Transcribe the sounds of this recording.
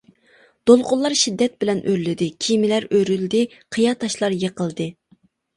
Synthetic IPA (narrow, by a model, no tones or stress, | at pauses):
d̪̥olˠqʊlˠːɑɾʃid̪ːɛt̪̚bɪlɛnʔøɾlɪd̪ɪkʲʰimɪlæɾøɾyld̪ɪ | qʰəjɑt̪ʰɑʃlˠɑɾjəqəlˠd̪ɨ